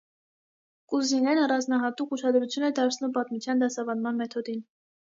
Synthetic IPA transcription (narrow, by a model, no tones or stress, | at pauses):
kuzinɛnɑrɑnznɑɦɑt̪ukuʃɑd̪ɾut͡sʰjunɛd̪ɑɾt͡sʰnumpɑt̪mut͡sʰjɑnd̪ɑsɑvɑnmɑnmɛt̪ʰɔd̪in